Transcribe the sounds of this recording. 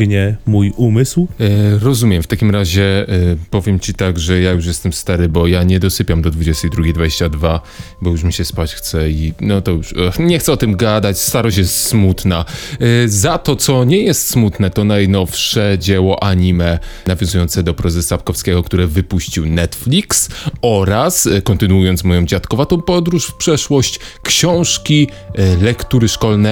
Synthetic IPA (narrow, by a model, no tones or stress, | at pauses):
ɡɲɛmujumɘswɾɔzumʲjɛmft̪akʲimɾaʑɛpɔvʲjɛmt͡ɕit̪aɡʐɛjajuʂjɛst̪ɛmst̪aɾɘbɔjaɲɛd̪ɔsɘpʲjamd̪ɔd̪vud͡ʑɛst̪ɛjd̪ɾuɡʲejd̪vad͡ʑeɕt͡ɕad̪va | bɔjuʂ̬mʲiɕɛspat͡ɕxt̪sɛinɔt̪ɔjuʂɲɛxt̪sɛɔt̪ɘmɡad̪at͡ɕst̪aɾɔɕt͡ɕ̬jɛst̪smut̪na | zat̪ɔt̪sɔɲɛjɛst̪smut̪nɛt̪ɔnajnɔfʂɛd͡ʑɛwɔʔaɲimɛnavjɔ̃zujɔnt̪sɛd̪ɔpɾɛzɛsapkɔfskʲɛɡɔkt̪uɾɛvɘpuɕt͡ɕiwnɛt̪flʲiksɔɾaskɔnt̪ɘnuujɔntsmɔjɔ̃w̃d͡ʑat̪kɔvat̪ɔ̃w̃pɔd̪ɾuʂfpʂɛʂwɔɕt͡ɕ | kɕɔ̃w̃ʂkʲi | lɛkt̪uɾɘʂkɔlnɛ